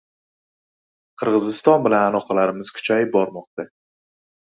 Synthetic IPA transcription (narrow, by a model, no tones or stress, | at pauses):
qʰɨɾʁɨzɪst̪ɒnbɪlanalˠɒqɑlaɾɪmɪz̥kʰʊ̥t͡ʃʰajɪp̚bɒɾmɒq̚t̪a